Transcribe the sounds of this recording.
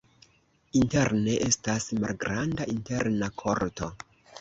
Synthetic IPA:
inte̞ɾne̞ʔestasma̰lɡɾandaʔinte̞ɾnakʰo̞ɾto̞

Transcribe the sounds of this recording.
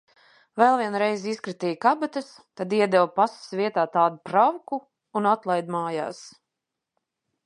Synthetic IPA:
vɛlˠviɛnɾɛjziskɾit̪iːjkabat̪as | t̪ad̪iɛd̪ɛwpasə̥svʲiɛt̪aːt̪aːd̪upɾawku | unat̪lˠajd̪maːja̰ːs

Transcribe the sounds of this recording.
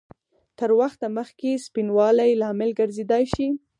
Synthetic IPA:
t̪əɾwaxt̪aməxkespinwɑlajlɑmɪlɡəɾzed̪ɑjʃi

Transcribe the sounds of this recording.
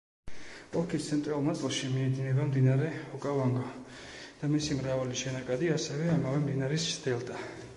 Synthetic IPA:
pʼɔlˠkʰist̪sʰɛnt̪ʼɾalˠnat̪sʼlˠʃimiɛd̪inɛbamd̪inaɾɛɔkʼavaŋɡad̪̥amisimɾavaliʃɛnakʼad̪iasɛvɛamavɛmd̪inaɾist͡ʃd̪ɛlˠd̪a

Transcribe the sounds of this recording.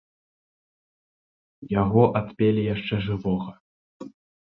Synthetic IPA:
jaɣɔʔat̪pʲelʲijaʂt͡ʂɛʐɨvɔɣɐ

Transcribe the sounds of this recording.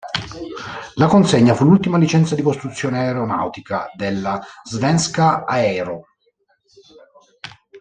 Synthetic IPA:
lakonseɲːafulult̪imalit͡ʃɛnt̪sad̪ikost̪ɾut̪sːjoːneaeɾona̰wt̪ikad̪elːazvɛnskaaɛːɾo

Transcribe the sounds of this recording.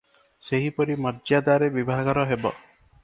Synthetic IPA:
seɦipɔɾimɔɾd͡ʒjad̪aɾebibʱaɡɔɾɔɦebɔ̰

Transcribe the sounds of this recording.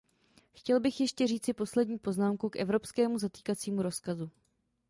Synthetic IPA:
xcɛlbɪxjɛʃcɛriːt͡sɪpo̞slɛdɲiːpo̞znaːmkukʔɛvɾo̞pskɛːmuzat̪iːkat͡siːmuɾo̞skazu

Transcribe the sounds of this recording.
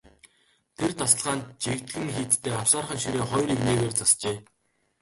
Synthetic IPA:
t̪ʰert̪ʰasə̆ɮʁaːnt̪̚t͡ɕikt̪ɡɘ̆ŋxiːt̪t̪ʰeːɔwsaːrχə̆ŋʃiɾeːχɔjɾikneːɣeːrt͡sast͡ɕeː

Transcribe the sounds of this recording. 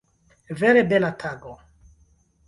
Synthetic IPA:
vɛɾebɛlat̪ʰaɡo

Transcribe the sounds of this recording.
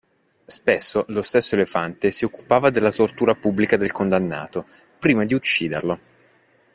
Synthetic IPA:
spesːolost̪esːoelefant̪esiokːu̥paːvad̪elːat̪ort̪uːɾapubːlikad̪elkond̪anːa̰ːt̪o | pɾiːmad̪iut͡ʃːiːd̪ḛrlo

